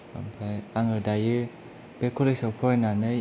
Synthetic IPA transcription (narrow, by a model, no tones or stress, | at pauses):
a̰mpʰajaŋɯdajɯ | b̥ekʰɔleksawpʰɔɾnanɯ